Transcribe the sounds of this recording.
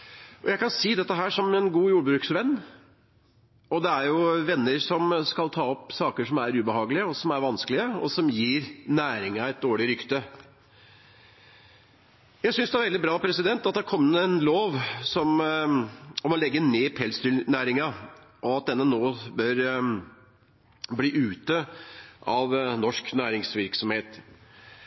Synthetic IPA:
ɔjæɪkɑnsiːd̪ɛt̪ːəɦæːʂɔmɛnɡuːjuːɖbɾʉːksʋɛnː | ɔd̪ɛæɾjʊʋɛnːəɾsɔmskɑlt̪ʰɑːɔpsɑːkəʂɔmæɾʉːbəhɑːɡəlɪəɔsɔmæɾʋɑnsklɪəɔ̰sɔmjiːɾnæːɾɪŋɑɛɪt̪̚d̪oːɭɪɾʏkt̪ə | jæɪsʏnsd̪ɛæɾʋɛld̪ɪbɾɑːpʰɾɛsɪd̪ɛnt̪ɑt̪̚d̪ɛæɾkʰɔmːnəɛnloːʋsɔm | ɔmɔlɛɡːəneːpʰɛlst̪ʏlnæːɾɪŋɑʔɔɑt̪̚d̪ɛnːənoːbœɾ | bliːʔʉːt̪əʔɑʋnɔʂknæːɾɪŋsʋɪɾksɔmheːt̪

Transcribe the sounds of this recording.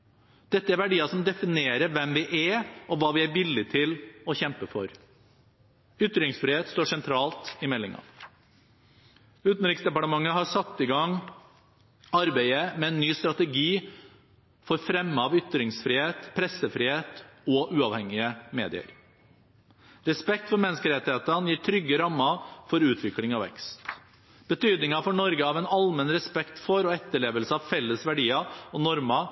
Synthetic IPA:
d̪̥ɛt̪ːəæɾʋæɖiːɑsɔmd̪ɛfɪneːɾəɾʋɛmʋɪʔæɾɔʋɑːʋɪæɾʋɪlːɪt̪ʰɪlɔçɛmpəfɔ̰ɾ | ʏt̪ɾɪŋsfɾɪːheːt̪st̪oːʂɛnt̪ʰɾɑːlt̪ɪmɛlːɪ̰ŋɑ̰ | ʉːt̪n̩ɾɪksd̪ɛpɑʈəmɑŋːəhɑsɑt̪ːɪɡɑŋ | ɑɾbæɪəmɛɛnːyːst̪ɾɑt̪əɡiː | fɔɾfɾɛmːəɑʋʏt̪ɾɪŋsfɾɪːheːt̪pʰɾɛsəfɾiːheːt̪ɔʔʉːɑʋhɛŋːɪəmḛːd̪ɪə̰ɾ | ɾɛspɛk̚t̪fɔɾmɛnːəskəɾɛt̪ːɪheːt̪ənjiːʈʰɾʏɡːəɾɑmːɑfɔɾʉːt̪ʰʋɪklɪŋɑʋɛ̰kst̪ | b̥ət̪ʰyːd̪nɪŋɑfɔɳɔɾɡəɑːʋɛnɑlmənɾɛspɛkt̪fɔɾɔɛt̪ːəɭeːʋəlsəɑʋfɛlːəsʋæɖiːɑɔnɔɾmɑ

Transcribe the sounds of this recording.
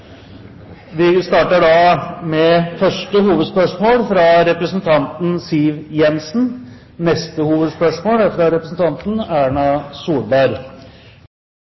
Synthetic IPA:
ʋɪst̪ɑːʈəɖɑmɛfœʂʈəhuːʋəd̪spœʂmoːlfɾɑɾɛpɾəsənt̪ʰɑnt̪n̩siːʋjɛnsn̩ | nɛst̪əhuːʋəd̪spœʂmoːlæfɾɑɾɛpɾəsn̩t̪ʰɑnt̪n̩æːɳɑsuːlbɑɾ

